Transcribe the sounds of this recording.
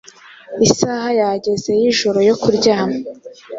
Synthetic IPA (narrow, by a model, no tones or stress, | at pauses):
isaːɦajaɟe̞ze̞jiʒoɾo̞jo̞kuɾɟaːmo